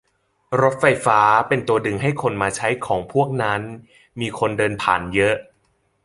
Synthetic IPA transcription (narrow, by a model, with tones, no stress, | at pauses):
ɾo˦˥t̪̚fa˧jfaː˦˥pe˧nt̪u˧ɐdɯ˧˩ŋɦa˥˩jkʰo˧nmaː˧t͡ɕʰa˦˥jkʰɔː˩˦ŋpʰu˥˩ək̚na˦˥n | miː˧kʰo˧ndɤː˧npʰa̰ː˨˩njɤ˦˥ʔ